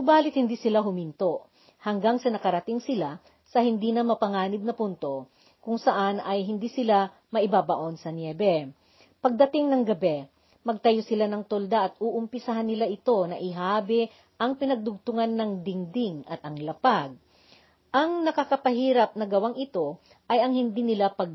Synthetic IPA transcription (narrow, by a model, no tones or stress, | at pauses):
ʊbaːlɪt̪̚hɪnd̪iːsɪlaɦʊmint̪o̞ʔ | hɐŋɡaŋsɐnɐkɐɾɐt̪ɪŋsɪla | sɐhɪnd̪iːnɐmɐpɐŋaːnɪd̪nɐpunt̪o̞ | kʊŋsɐʔanɐjɦɪnd̪iːsɪla | mɐʔɪbaːbɐʔo̞nsɐnjɛːbɛ | pɐɡ̚d̪ɐt̪ɪŋnɐŋɡɐbɛ | mɐɡ̚t̪ɐjosɪlanɐŋt̪old̪aʔɐt̪̚uʔʊmpɪsɐaɦanːɪlaʔɪt̪o̞nɐʔɪɦaːbɪ | ʔɐŋpɪnɐɡ̚d̪ʊɡ̚t̪ʊŋanːɐŋd̪ɪŋd̪ɪŋɐt̪ɐŋlɐpaɡ̚ | ʔɐŋnɐkɐkɐpɐɦiːɾɐp̚nɐɡɐwaŋʔɪt̪o̞ | ʔɐjɐŋhɪnd̪iːnɪlapɐɡ